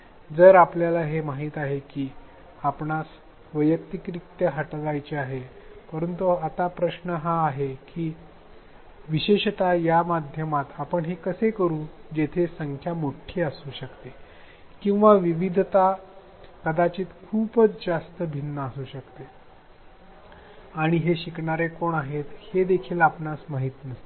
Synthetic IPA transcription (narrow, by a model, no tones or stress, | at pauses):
d͡zəɾapljalaɦemaɦiːt̪aɦekiː | apɳas | ʋəjək̚t̪ikɾik̚t̪jəɦəʈʋajt͡ɕeaɦepəɾənt̪uat̪apɾəɕɳəɦaːɦekiː | ʋiɕeɕt̪ajamad̪ʱjəmat̪apəɳɦekəsekəɾũːd͡ʑet̪ʰesəŋkʰjamoʈʰːjeəsuːɕəkt̪e | kĩw̃ʋaʋiʋid̪ʱt̪a | kəd̪at͡ɕiːt̪kʰuːpət͡sd͡zast̪əbʱinːəəsuːɕəkt̪e | aɽ̃iɦeɕikɳaɾekoɳaɦet̪hed̪ekʰiːlapnasmaɦiːt̪nəst̪e